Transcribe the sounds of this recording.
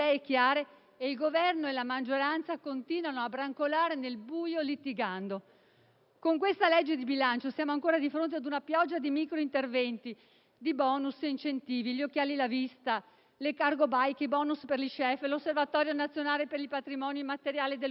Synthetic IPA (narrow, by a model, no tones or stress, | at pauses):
ɛɛkːjaːɾeː | ilɡovɛrnoelamad͡ʒːoɾant̪sakont̪iːnwanoabɾaŋkolaːɾenelbuːjolit̪ːiɡand̪o | koŋk̬west̪alɛd͡ʒːed̪ibilant͡ʃosjaːmoaŋkoːɾad̪ifɾont̪ead̪unapjɔd͡ʒːad̪imikɾoint̪ervɛnt̪i | d̪ibɔːnusint͡ʃent̪iːviʎiokːjaːlilavist̪a | lekarɡobajkibɔːnusperliʃɛflosːervat̪ɔːɾjonat̪sːjonaːlepeɾipat̪ɾimɔːnimat̪eɾjaːlid̪e